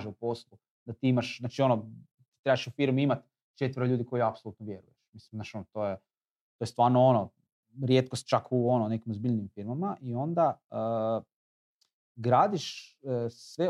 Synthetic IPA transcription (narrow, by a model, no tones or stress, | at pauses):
ʒeupo̞slˠu | d̪̥at̪iimaʃznat͡ʃio̞no | t̪i̥t̪ɾebaʃufiɾmiimat̪ | t͡ʃe̞t̪ʋəɾoʎuːd̪iko̞jiapsolˠut̪noʋje̞ɾṵjeʃmislimnaʃonot̪o̞je | t̪ojest̪vʋaːɾnoo̞no | ɾje̞ːt̪̚kost̪̚t͡ʃakʰuo̞none̞kimozbiʎniimfiɾmamaʔio̞nd̪aə | ɡɾaːd̪iʃ | sʋe